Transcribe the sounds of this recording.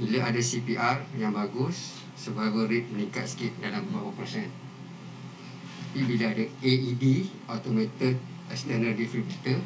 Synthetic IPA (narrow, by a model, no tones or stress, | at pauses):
bilaʔadasipiʔarjaŋbaɡʊsː | əbaɡəɾit̪̚mənĩŋkat̪̚sə̥kit̪̚dalammaapəsɛn | t̪apibiləadaeidiʔot̪omet̪ɪd̪̚ | ɛkst̪ənərdifɾibut̪ə